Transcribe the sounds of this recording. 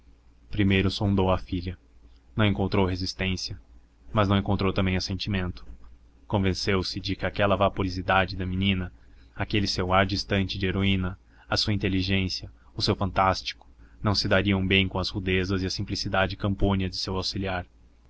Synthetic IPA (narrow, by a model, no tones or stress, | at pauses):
pɾimejɾʊsõnd̪owɐfiʎʲɐ | nɐ̃w̃ẽŋkõnt̪ɾowhezist̪ẽsiɐ | mɐznɐ̃w̃ẽkõnt̪ɾowt̪ɐ̃mbẽj̃ɐsẽnt͡ʃimẽnt̪ʊ̥ | kõvẽsewsɪd͡ʒɪkɪakɛlɐvapoɾizid̪ad͡ʒɪd̪ɐminĩnɐakelɪsewaɾd͡ʒist̪ɐ̃nt͡ʃɪd͡ʒɪeɾoĩnɐ | ɐsuɐĩnt̪eliʒẽsiɐ | ʊsewfɐ̃nt̪ast͡ʃi̥kʊ̥nɐ̃w̃sɪd̪aɾiɐ̃w̃bẽj̃kõɐshud̪ezɐzɪɐsĩmplisid̪ad͡ʒɪkɐ̃mpõniɐd͡ʒɪsewawsiliaɾ